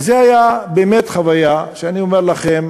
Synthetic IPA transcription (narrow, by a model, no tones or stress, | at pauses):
zeajabeːmetχavajaʃeaniomeʁlaχem